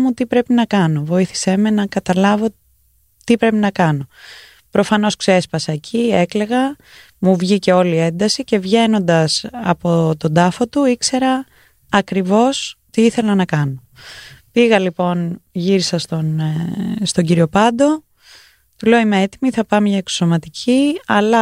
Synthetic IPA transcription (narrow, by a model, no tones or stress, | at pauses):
mut̪ipɾe̞pinɐkɐno̞vo̞iθi̥semenɐkɐt̪ɐlɐvo̞ | t̪ipɾe̞pinɐkɐno̞ | pɾo̞fɐno̞skse̞spɐsɐecʰiekle̞ɣɐ | muvʝice̞o̞lie̞nd̪ɐsice̞vʝe̞no̞nd̪ɐsɐ̰po̞t̪o̞d̪ɐfo̞t̪uikse̞ɾɐː | kɾivo̞st̪iiθe̞lɐnɐkɐno̞ | piɣɐlipo̞nʝiɾisɐst̪on | st̪o̞ɟiɾio̞pɐd̪o̞ | t̪ule̞oimeet̪imiθɐpɐmɲɐekso̥so̞mɐt̪icʰiɐlɐ